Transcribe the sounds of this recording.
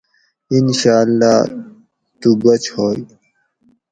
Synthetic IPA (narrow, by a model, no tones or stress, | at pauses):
inɕaːlːaː | t̪ubɐt͡ɕhoːi